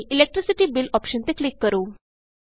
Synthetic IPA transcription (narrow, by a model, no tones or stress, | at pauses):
ʔilek̚ʈɾisiʈiːbilɔpɕənt̪eklikːəɾuː